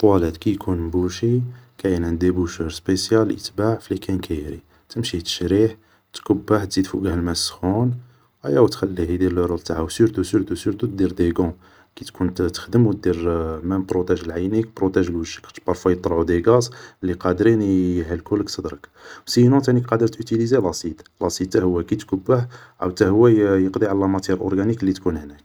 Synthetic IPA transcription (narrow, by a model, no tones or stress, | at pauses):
t̪ˤwælæd̪kæjkʰunmbuʃikæjənʕənd̪ibuʃəɾspesjælʔə̰t̪baʕflikʰænkæjɾi | t̪əmʃit̪ə̥ʃɾiħ | t̪kʊbːaħt̪zid̪fṵɡhlmæsxun | ʔæjæwt̪xælːihid̪ilɾˤult̪aʕawsyɾt̪usyɾt̪usyɾt̪ut̪̚d̪iɾd̪eɡɔ̃ | kit̪kunt̪t̪ːə̥xd̪əmwt̪̚d̪iɾmænpɾot̪æʒəlʕajnikpɾot̪æʒəlwəʒːəkt̪bɑɾˤfwæjət̪ˤːɾʕud̪eɡɑslːiqɑd̪ɾinɦælkulːəkt̪əd̪ɾəkwsinɔ̃t̪ænikqɑd̪əɾt̪ʔyt̪ilizelɑsit̪lɑsit̪t̪ːæhʊwːækit̪kʊbːəħʕæ̰wt̪æhʊwːæjjəqd̪iʕalːæmæt̪jɛɾʔɔ̰ɾɡæniklːit̪kunhnæk̚